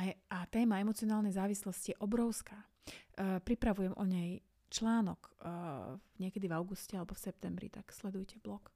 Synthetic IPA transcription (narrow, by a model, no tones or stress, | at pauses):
aʔat̪ɛːmaɛmɔt͡siɔnaːlnɛjzaːʋislɔscijɛʔɔbɾɔʊskaː | pɾipɾaʋujɛmʔɔ̰ɲɛj | t͡ʃlaːnɔk | ɲɪɛkɛd̪ivaʊɡuscɛalɛbɔfsɛp̚t̪ɛmbɾḭt̪akslɛd̪ujcɛblɔk